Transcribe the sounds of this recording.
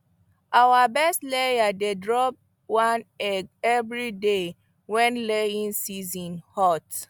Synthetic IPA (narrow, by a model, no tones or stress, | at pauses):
awabɛstlejadedɹɔp̚ | wãnɛɡɛvɹide | wɛ̃nleĩnsizɔ̃nhɔt